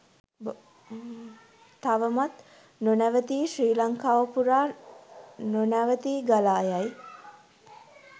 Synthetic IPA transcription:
aʋəmat̪ | nonæʋət̪iːʃriːlaŋkaːʋəpuɾaː | nonæʋət̪iːɡalaːjaj

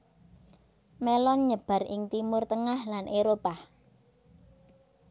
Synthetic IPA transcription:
melɔnɲəb̥a̤rʔɪŋt̪imʊrt̪əŋahlanʔeɾopa

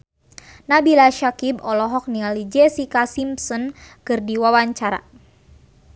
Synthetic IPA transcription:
nabilaʃakibɔlɔɦɔk̚nialid͡ʒɛsikasimsɔnkɨrdiwawaɲt͡ʃaɾa̰

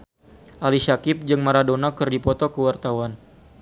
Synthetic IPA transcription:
ʔalisakɪp̚d͡ʒɨŋmaɾadonakɨrdipɔt̪ɔkəwart̪awan

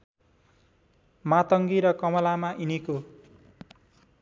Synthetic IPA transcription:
mat̪ʌŋɡiɾʌkʌmʌlamaʔiniko

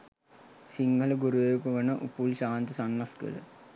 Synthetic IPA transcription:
siŋɡʱələɡuɾuʋeɾupɐʋɐnəʔṵpulɕaːnt̪iəsanːɐskə̰lə̰

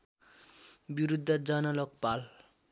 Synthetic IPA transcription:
biɾud̪ʱːʌd͡zʌnʌlʌkpal

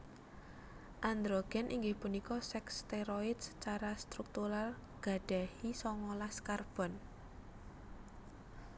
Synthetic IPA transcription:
ʔand̪ɾoɡ̥ɛ̤nʔiŋɡɪhpunikɔsɛkst̪eɾoɪd̪sə̥t͡ʃaɾast̪ɾuk̚t̪uɾal | ɡ̥a̤ɖ̥ahisɔŋɔlaskarb̥ɔ̤n

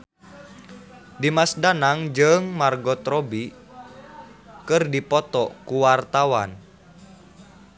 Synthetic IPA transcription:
dimasdanaŋd͡ʒəŋmarɡɔt̪ɾɔbi | kɨrdipɔt̪ɔkuwart̪awan

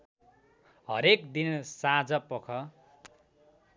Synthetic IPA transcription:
ɦʌɾekd̪insad͡zʌpʌkʰʌ

